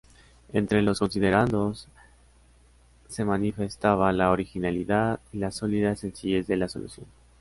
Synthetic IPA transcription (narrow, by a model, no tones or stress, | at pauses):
e̞nt̪ɾe̞lo̞sko̞nsiðe̞ɾand̪o̞s | e̞manife̞st̪aβalaoɾixinaliðaðilaso̞liðaese̞nsiʝe̞zðe̞laso̞̰lṵsjo̞̰n